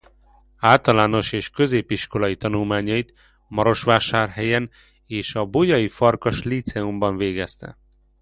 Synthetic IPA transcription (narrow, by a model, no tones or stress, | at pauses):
aːlt̪ɒlaːno̞ʃeːʃkø̞zeːpiʃko̞lɒjit̪ɒnulmaːɲɒjit̪ | mɒɾo̞ʃʋaːʃaːrɦɛjɛn | eːʃɒbojɒjifɒrkɒʃlit̪sɛumbɒɱveːɡɛst̪ɛ̰